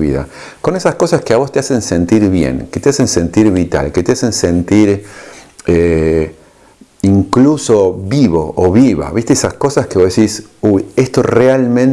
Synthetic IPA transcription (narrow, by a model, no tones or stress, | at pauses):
βḭða̰ | ko̞nesasko̞saskeaβo̞st̪ease̞nsent̪iɾβjḛŋket̪easensent̪iɾβit̪a̰lket̪easense̞nt̪iɾ | e | iŋkluso̞βiβoʔoβiβa̰βist̪eesasko̞saskeβoðesisujest̪o̞realmẽn